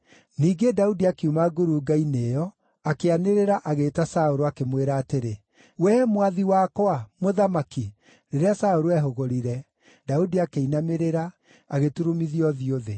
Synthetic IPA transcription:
niːɡedaudiakeumaɡoɾuɡainejɔ | akeaneɾeɾaʔaɣeːtasaoɾoakemweɾaːteɾe | wɛmwaðiwakɔamoðamaki | ɾeɾeasaoɾoɛɦoɣoɾiɾɛ | daudiakeinameɾeɾa | aɣetuɾomiðiɔðioðe

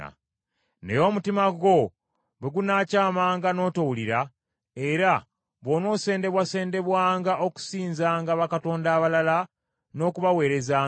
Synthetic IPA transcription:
a̰ | nḛjo̞ːmutimaɡo̞ | βeɡunaːcaːmaːŋɡano̞ːtowuliɾa | e̞ɾa | βono̞ːse̞ːnde̞βwase̞ːnde̞βwaːŋɡaʔo̞ku̥siːnzaːŋɡaβakato̞ːndaːβalala | no̞ːkuβawe̞ːɾe̞zaː

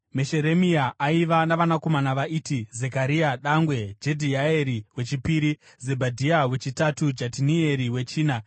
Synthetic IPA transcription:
meʃeɾe̞miaʔaiʋanaʋanako̞manaʋaʔiːtize̞kaɾiaɗaŋɡwe̞d͡ʒe̞dʱiaeɾiwe̞t͡ʃipiːɾi | zebʱadʱiawe̞t͡ʃitatud͡ʒatinie̞ɾiwe̞t͡ʃiːna

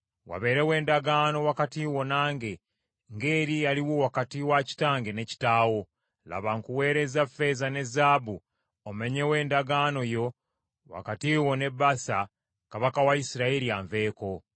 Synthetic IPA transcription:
wa̰βe̞ːɾewe̞ːndaɡano̞wakatiwo̞naːŋɡe̞ | ŋɡeːɾijaliwowakatiwaci̥taːŋɡe̞ne̞ci̥taːwo̞ | la̰βaŋkuwe̞ːɾe̞zafe̞zane̞zaːbu | omeɲe̞we̞ːndaɡano̞jo̞ | wa̰katiwo̞ne̞bːasa | kaβakawaisiɾaeɾiaɱve̞ːko̞

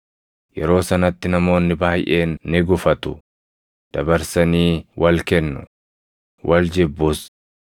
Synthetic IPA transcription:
jɛɾo̞ːsɐnɐt̪ːɪnɐmo̞ːnːɪbaːjʔe̞ːnːɪɡʊfɐt̪ʊ | d̪̥ɐbɐɾsɐniːwɐlkɛnːʊ̰ | wʔɐld͡ʒɛbːʊs

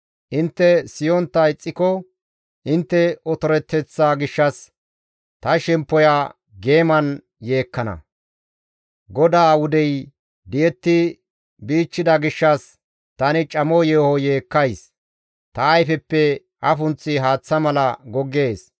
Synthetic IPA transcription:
ʔɪnt̪ːɛsɪjɔnt̪ːɐɪt͡sʼːɪkɔ | ʔɪnt̪ːɛɔt̪ɔɾɛt̪ːɛt͡sːaːɡɪʃːɐs | t̪ɐʃɛmpːɔja | ɡe̞ːmɐn | je̞ːkːɐnɐ̰ | ɡɔd̪aːwʊd̪ɛj | d̪ɪjɛt̪ːɪ | biːt͡ʃːɪd̪ɐɡɪʃːɐs | t̪ɐnɪt͡ʃʼɐmɔjeːhɔje̞ːkːɐjs | t̪ɐːjfɛpːɛ | ʔɐfʊnt͡sːɪɦaːt͡sːɐmɐlɐɡɔɡːeːs

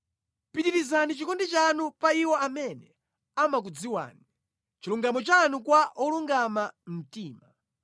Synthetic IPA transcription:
pitiɾizanit͡ʃikɔndɛt͡ʃanupaiwɔamɛnɛ | amak̬ud͡ziwa̰ːni | t͡ʃiluŋɡamɔt͡ʃanukwaʔɔluŋɡamam̩tiːma

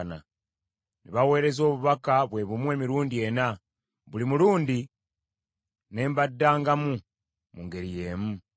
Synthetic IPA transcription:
na̰ | niβawe̞ːɾe̞zo̞ːβuβakaβwe̞ːβumwe̞ːmiɾuːndie̞na | βulimuluːndi | ne̞ːmbadːaːŋɡamu | muŋɡe̞ɾije̞ːmu

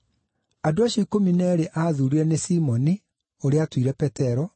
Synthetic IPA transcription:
adoaɕjɔoikominɛːɾeʔaðuɾiɾɛnesimɔni | oɾeatwiɾɛpɛtɛɾɔ

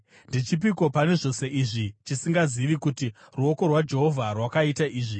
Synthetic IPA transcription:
ndit͡ʃip̬iko̞pane̞ʐo̞se̞iʐit͡ʃisiŋɡaziʋikuti | ruo̞ko̞rwad͡ʒe̞ɦo̞vʱarwakaitaʔiːʐi

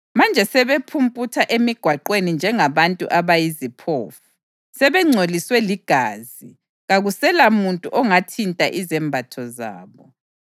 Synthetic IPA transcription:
mand͡ʒʱɛsɛβepʰumpʼutʰaʔemiɡ̥ʱwaǃwenind͡ʒʱɛŋaβantʼṵʔaβajizipʰo̰ːfu̥ | sɛβɛŋ͡ǀʱoliswɛliɡ̥ʱaːzi | ɣaɣusɛlamuntʼuʔɔŋatʰintʼa̰ʔizɛmbʱatʰɔza̰ːβɔ

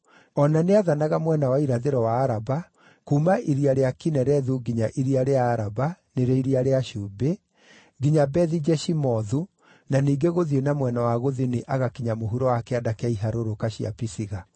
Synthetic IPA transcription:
ɔnaneaðanaɣamwɛnawaiɾaðeɾɔwaːɾaba | kuːmaʔiɾiaɾeakinɛɾɛðuɡiɲaʔiɾiaɾeaːɾabaneɾeiɾiaɾeaʃuːbe | ɡiɲabɛðid͡ʒɛʃimɔðu | naniːɡeɣoðienamwɛnawaɣoðineʔaɣakiɲamoɦuɾɔwakɛadakɛaiɦaɾoɾokaɕia̰pisiɣa

